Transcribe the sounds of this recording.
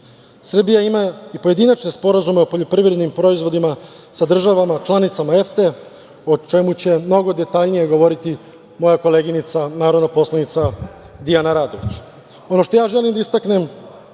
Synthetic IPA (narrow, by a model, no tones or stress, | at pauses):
sr̩bijaimaipo̞je̞d̪inat͡ʃne̞spo̞ɾazume̞opo̞ʎo̞pɾivɾed̪nimpɾo̞izʋo̞d̪ima | sad̪r̩ʒaʋamat͡ʃlˠanit̪samaeft̪e̞ | ot͡ʃe̞mut͡ɕe̞mno̞ɡo̞d̪e̞t̪aʎnije̞ɡoʋo̞ɾit̪i | mo̞jako̞le̞ːɡinit̪sanaːɾod̪napo̞slanit̪sa | d̪ijanaɾaːd̪o̞ʋit͡ɕ | o̞no̞ʃt̪o̞jaːʒe̞limd̪aist̪akne̞m